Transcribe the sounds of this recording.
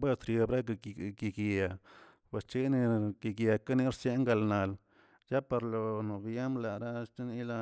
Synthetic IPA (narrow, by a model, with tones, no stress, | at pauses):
be˦st̪ɾjo˧bɾa˦ɡa˨ɡi˧˨ɡi˨a˨ | ba˨st͡ʃi˦ni˧ɡi˨ɡja˨ka˦ni˦ɾsje˦ŋɡa˧˨lna˨l | ja˦pa˧ɾlo˨no˨bja˦mla˨ɾa˦t͡ʃi˦ni˦la˧